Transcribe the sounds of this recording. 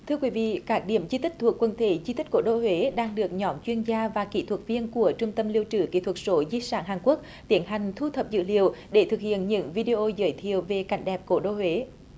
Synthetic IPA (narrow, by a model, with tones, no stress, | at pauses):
t̪ʰɨ˧əkwi˨˦vḭ˧˨kaː˦˥k̚ɗi˧˩əmzi˧t̪i˦˥k̟̚t̪ʰu˨˩əkːwə˨˩nt̪ʰe˧˩zi˧t̪i˦˥k̟̚ko̰˧˩˦ɗo˧˩hwe˨˦ɗaː˧ŋɗɨ˨˩ək̚ɲɔ˨˦mt͡ɕwi˧ənzaː˧vaː˨˩kḭ˧˥t̪ʰwə˨˩t̚vi˧ənku˧˩ət͡ɕʊ˧ŋ͡mt̪ə˧mli˧əwt͡ɕɨ˧˩kḭ˧˥t̪ʰwə˨˩t̚so˨˦zi˧saː˧˩nɦaː˨˩ŋku˦˥ək̚ | t̪i˨˦ənɦa˨˩jŋ̟t̪ʰu˧t̪ʰə˨˩p̚zɨ̰˧˥li˨˩əwɗe˧˩t̪ʰɨ˨˩k̚hḭ˧˨ənɲɨ̰˧˥ŋvi˧ɗi˧ʔo˧zə̰ː˨˦jt̪ʰi˨əwve˨˩ka˨˧˩jŋ̟ɗɛ˨˩p̚ko˧˦ɗo˧hwe˨˦